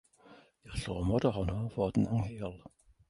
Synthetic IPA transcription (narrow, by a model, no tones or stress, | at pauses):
irɬoːmɔdɔhɔnɔvoːdn̩aŋheːɔlˠ